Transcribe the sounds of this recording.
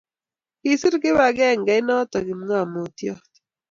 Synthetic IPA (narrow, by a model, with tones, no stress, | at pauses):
ki˨sɪ˦ɾkɪ˦wa˨ɡɛ˦˨ŋɡa˨jnɔ˦t̪ɔ˨ɡɪ˨m˦ŋa˦˨mo˨t̪jɔ˦t̪